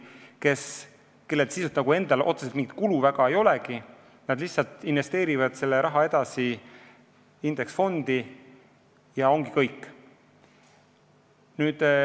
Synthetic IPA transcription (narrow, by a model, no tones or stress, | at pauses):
ke̞s | ke̞lːe̞lt̪sisut̪nɑɡ̥ue̞nd̪̥ɑlʔo̞̰t̪suset̪miŋɡit̪̚kuluvæɡɑe̞jo̞leɡi | nɑd̪liçsɑlt̪ˑinve̞st̪e̞ːɾivɑd̪̥se̞lːeɾʔɑɦɑe̞d̪̥ɑsi | ind̪̥e̞ksfo̞nd̪̥i | jɑo̞ŋɡ̥ikɤjkːˑ | nyːd̪̥